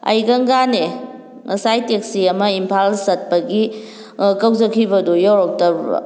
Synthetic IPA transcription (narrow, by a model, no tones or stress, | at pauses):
ɐ̰jɡɐŋɡane | ŋɐ̰sajteksiɐmɐimpʰalsɐt̚pɐɡi | kɐwzɐkʰːibɐdujawɾok̚tɐ̰